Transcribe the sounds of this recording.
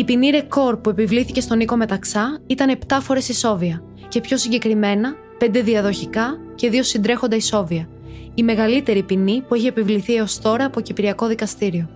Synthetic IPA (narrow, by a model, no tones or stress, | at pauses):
ipiniɾe̞ko̞ɾpue̞pivliθice̞st̪o̞niko̞me̞t̪ɐksɐit̪ɐne̞pt̪ɐfo̞ɾe̞siso̞viɐ | ce̞pço̞siɲɟe̞kɾime̞nɐ | p̞nd̪e̞ðiɐðo̞çikɐ | ce̞ðio̞sind̪ɾe̞xo̞nd̪ɐiso̞viɐ | ime̞ɣɐlit̪e̞ɾipinipueçiepivliθieo̞st̪o̞ɾɐːpocipiɾiɐko̞ðikɐst̪iɾio̞